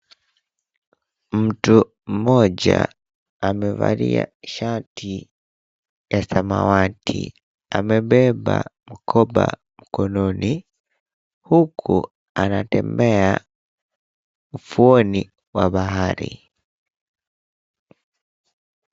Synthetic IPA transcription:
m̩tu | m̩moɟaː | mevaɾiaʃatʰi | jasamawatʰi | amebɛbamukʰoba̰ | mukononi | hukʰu | anatɛmea | ufuoni | waβaɦaɾi

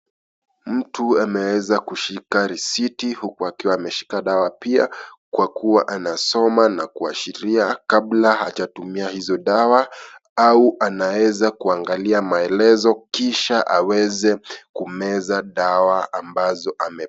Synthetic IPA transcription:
m̩tuamɛwɛzakuʃikaɾisitihukuakiwaːmɛʃi̥kaɗawapia̰kwakuwaʔanasɔmanakuaʃiɾiakablahat͡ʃatumiahizɔɗawa | auʔanawɛzakuaŋɡaliamaɛlɛzɔkiʃaʔawɛzɛkumɛzaɗawaambazɔʔamɛ

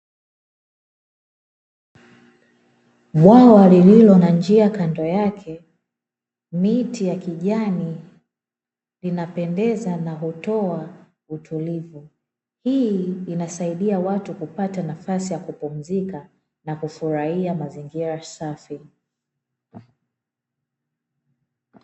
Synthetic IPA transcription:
ɓwawalililɔnand͡ʒiakandɔjakʰɛ | mitijakiʄani | linapɛndɛzanaɦutɔa | utʰulivu | hiːnasaiɗiawatukupatanafasijakupum̩zika | nakufuɾahiamaziŋɡiɾasafi

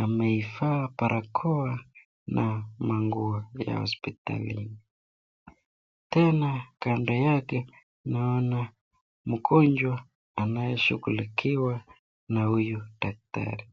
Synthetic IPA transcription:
amɛifaːpaɾʔakʰɔa | nʔamaŋɡuaja̰hɔ̰spita̰lḭni | tɛnakandɔjakɛ | naɔna | mukʰɔnd͡ʒwa | anajɛʃuɣulikʰiwa | nahujud̥ak̚ta̰ɾi

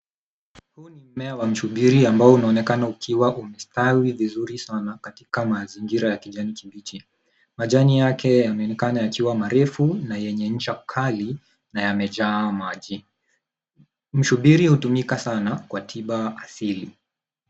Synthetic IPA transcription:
hunim̩mɛawam̩ʃuɓiɾiambaɔunaɔnɛkanaukʰiwaʔumɛstawivizuɾisanakati̥kamaziŋɡiɾajakiʄanikiɓit͡ʃi | maʄanijakɛjamɛɔnɛkanajakiwamaɾɛfunajɛɲɛɲ̩t͡ʃakʰali | najamɛʄaːmaʄi | m̩ʃuɓiɾihutumikasanakwatʰiɓaasili

